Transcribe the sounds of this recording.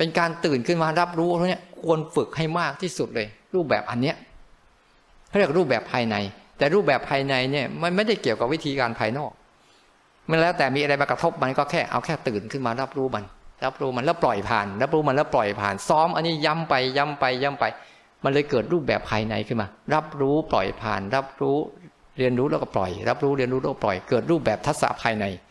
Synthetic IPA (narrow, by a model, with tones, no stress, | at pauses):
pe˧nkaː˧nt̪ɯː˨˩nkʰɯ˥˩nmaː˧ɾa˦˥p̚ɾuː˦˥˧t̪ʰa˧˩ni˦˥ɐkʰu˧ənfɯ˨˩k̚ha˥˩jmaː˥˩k̚t̪ʰiː˥˩su˨˩t̪̚lɤː˧jɾuː˥˩p̚bɛ̰ː˨˩p̚ʔa̰˧nːi˦˥ɐ | kkʰa˥˩ɾi˥˩ək̚ɾuː˥˩p̚bɛː˨˩pʰaː˧jna˧jt̪ɛː˨˩ɾuː˥˩p̚bɛː˨˩pʰːaː˧jna˧jni˥˩ɐma˧nma˥˩jda˥˩jki˨˩əwka˨˩p̚wi˦˥t̪ʰiː˧kaː˧npʰaː˧jnɔː˥˩k̚ | ma˧˥˧lɛː˦˥wt̪ɛː˨˩miː˧ʔa˧ɾa˧jma˧kɾa˧t̪ʰo˦˥p̚ma˧nkɔː˥˩kʰɛː˥˩ʔa̰˧wkʰɛː˥˩t̪ɯː˨˩nkʰɯ˥˩nmaː˧ɾa˦˥p̚ɾuː˦˥ma˧nɾa˦˥p̚ɾuː˦˥ma˧nlɛː˦˥˩wplɔ˨˩jpʰa̰ː˨˩nɾa˦˥p̚ɾuː˦˥ma˧nlɛː˦˥wplɔ˨˩jpʰa̰ː˨˩nsɔː˦˥mʔa˧nːiː˦˥˩ja˦˥mpa˧jːa˦˥mpa˧jːa˦˥mpa˧j | ma˧nlɤː˧jkɤː˨˩t̪̚ɾuː˥˩bɛː˨˩pʰːaː˧jna˧jkʰɯ˥˩nmaː˧ɾa˦˥p̚ɾuː˦˥plɔ̰˨˩jpʰa̰ː˨˩nɾa˦˥p̚ɾuː˦˥ | ɾi˧ənɾuː˦˥lɛː˦˥wkɔ˥˩plɔ̰˨˩jɾa˦˥p̚ɾuː˦˥ɾi˧ənɾuː˦˥lɛː˦˥˩kplɔ̰˨˩jkɤː˨˩t̪̚ɾuː˥˩p̚bɛː˨˩p̚t̪ʰa˦˥t̪̚sa̰˧˥pʰaː˧jna˧j